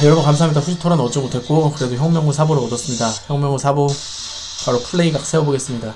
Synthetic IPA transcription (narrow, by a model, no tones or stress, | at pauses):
jʌɭbʌnkamsʰaɦamɲidaɸʰud͡ʑitʰoɾanʌt͡ɕ͈imotʰe̞t̚k͈okɯɾe̞doçjʌŋmjʌŋusʰaboɾɯɭʌdʌs͈ɯmɲidaçjʌŋmjʌŋusʰabo | paɾopʰuɭːe̞iɡak̚s͈ʰe̞ʌboɡe̞s͈ɯmɲida